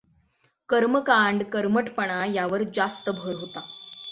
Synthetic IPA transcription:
kəɾməkaɳɖkəɾməʈpəɳ̃ajaʋəɾd͡zast̪əbʱəɾɦot̪a

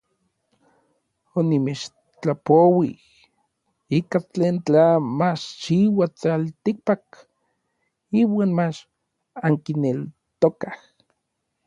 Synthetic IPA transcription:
onimet͡ʃ | t͡ɬapowih | ikat͡ɬeːnt͡ɬamat͡ʃt͡ʃiwat͡salt̪ik̚pak | iːwaːnmat͡ʃ | aŋkinel | t̪okah

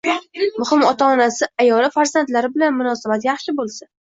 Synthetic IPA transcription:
mʊhɪmɒt̪ʰaɒnasɪajɒlɪfaɾzant̪laɾɪbɪlanmʊnɒsabat̪jɑχʃɪbolˠsa

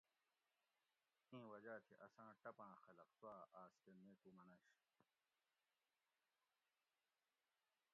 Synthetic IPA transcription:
ẽːwɐd͡ʑaːt̪ʰiʔɐsãːʈɐpãːxɐlɐqsuaːʔaːskemeːt̪umɐnɐɕ

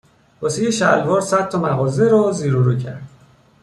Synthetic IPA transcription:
bosijeʃælvɒːɾsæt̪ʰːɒmæɣɒːzeɾɒziːɾuɾuːcʰæɾd̪̥

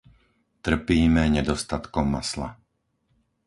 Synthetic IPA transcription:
t̪r̩piːmɛɲɛd̪ɔst̪at̪kɔmːa̰sla̰

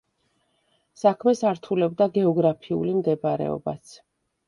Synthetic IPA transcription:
sakʰmɛsaɾt̪ʰulɛb̚d̪aɡɛɔɡɾapʰiṵlimd̪ɛbaɾɛ̰ɔ̰ba̰t̪sʰ

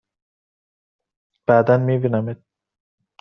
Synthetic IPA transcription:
b̥æːd̪ænmibinæmed̪̚

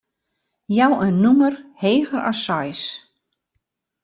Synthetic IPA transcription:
jawənːumərheːɣəra̰sɔjs

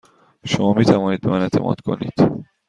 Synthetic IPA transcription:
ʃomɒːmiːt̪ʰævɒːniːd̪be̞mænet̪ʰe̞mʔɒ̰ːd̪kʰo̞̰nḭːd̪̥

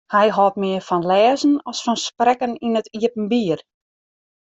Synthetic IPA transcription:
hɛjɦɔːt̚mɪərfɔnlɛːzən̩ɔsfɔnsprɛkəninətʰiəpən̩biːər

